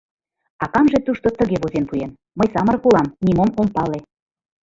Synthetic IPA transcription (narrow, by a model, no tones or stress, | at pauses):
ɑkɑmʒet̪uʃt̪ot̪əɣeβozenpujen | məjsɑmərkulɑmnimomompɑle